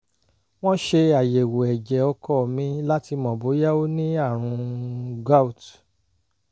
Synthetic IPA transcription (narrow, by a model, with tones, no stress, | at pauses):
w̃ɔ̃˦ʃe˧a˨je˨wo˨ɛ˨d͡ʒɛ˨ɔ˧kɔ˦˨mĩ˧la˦ti˧mɔ̃˨bo˨˦ja˦o˦nĩ˦a˦˨ɾ̃ũ˧ɡa˦u˨t